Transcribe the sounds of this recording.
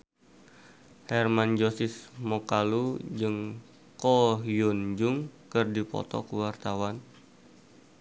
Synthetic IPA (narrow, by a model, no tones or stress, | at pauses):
hɛrmand͡ʒosɪsmokalud͡ʒɨŋ | koɦjund͡ʒuŋkɨrdipɔ̰t̪ɔ̰kuwart̪awan